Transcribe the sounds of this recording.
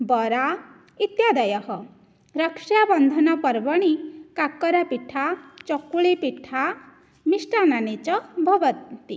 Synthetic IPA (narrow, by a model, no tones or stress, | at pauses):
bɔɾa | it̪jad̪ʌjɔhɔ | ɾʌkʂjabʌnd̪ʱɔnʌpʌɾbʌɽ̃ikakːɔɾapiʈʰat͡ʃɔkuɭepiʈʰa | misʈananet͡ʃɔbʱʌbʌt̪i